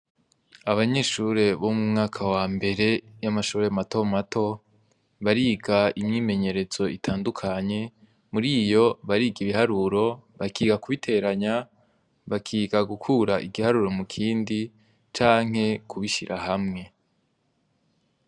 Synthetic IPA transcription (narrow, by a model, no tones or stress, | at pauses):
aβaɲe̞ʃuɾe̞βomumŋaːkʰawaːmbe̞ɾe̞jamaʃuːɾeamato̞matʰo̞ | βaɾiːɡaimɲiːme̞ɲe̞ɾe̞z̥o̞itʰaːndukʰaɲe̞ | muɾiːjo̞βaɾiːɡiβiɦaɾuɾo̞βakiːɡakuβitʰe̞ɾaɲa | βakʰiːɡaɡukʰuɾaʔiɡihaɾuɾo̞mukʰiːndi | t͡ʃaːŋ̥ɦe̞kʰuβiʃḭɾʔaɦamŋe̞